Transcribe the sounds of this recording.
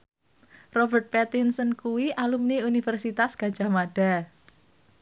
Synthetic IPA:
rɔbərt̪̚pɛt̪insənkuwiʔalumniunifɛrsit̪asɡ̥ḁd͡ʒamaɖ̥a̤

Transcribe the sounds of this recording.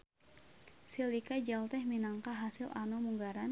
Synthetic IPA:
silikad͡ʒalt̪ɛhminaŋkaɦasɪla̰nomuŋɡaɾan

